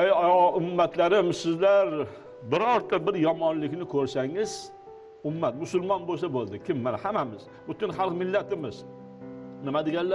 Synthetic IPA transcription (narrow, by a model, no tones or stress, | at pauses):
ejʊmːat̪ʰlaɾɪmsɪzlaɾ | bɪɾɒɾt̪ʰːabɪɾjɒmɒnlɪkʲnɪkʰɵɾsaŋɪz̥ | ʊmːat̪mʊsʊlˠmɒnbosabolˠd̪ɪkʲʰɪmːanahamamɪz̥ | bʊt̪ɪnhɑlˠqmɪlːat̪ɪmɪz | nɪmad̪eɡʲanla